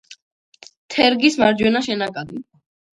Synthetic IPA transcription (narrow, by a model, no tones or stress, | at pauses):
t̪ʰɛɾɡismaɾd͡ʒwɛnaʃɛnakʼaɡi